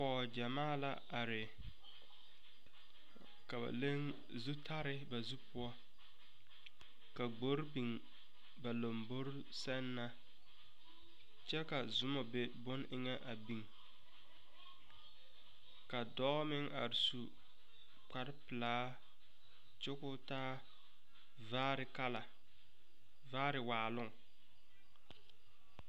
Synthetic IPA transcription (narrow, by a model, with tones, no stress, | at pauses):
pɔː˨d͡ʒa˨maː˦˨la̰˦ | a˨ɾɪ˨ | ka˨ba̰˨le˦ŋ | zu˦tʰa˦ɾɪ˦ba˨zu˦pʊ˦ɔ˦ | ka˨ɡ͡bo˦ɾbi˨ŋ | ba˨lo˨mbo˦ɾ | sɛ˦nːa˦ | t͡ʃɛ˦ka˨zʊ˦mɔ˨be˦bʊ˦nʔɪ˦ŋɛ˦ʔa˨bi˨ŋ | ka˨dɔ˦mɪ˦ŋa̰˨ɾɪ˨su˨ | k͡pa˨ɾɪ˦pɪ˨laː˦ | t͡ʃʊ˦kʊ˦taː˦ | va˦ɾɪ˨ka˦la˨ | vaː˦ɾɪ˨waː˨lʊ˦˨ŋ